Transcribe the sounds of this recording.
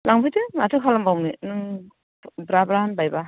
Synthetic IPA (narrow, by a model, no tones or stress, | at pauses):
laŋbɯjtɯmatʰɯkʰalambawninɯ | bɾabɾaanbajba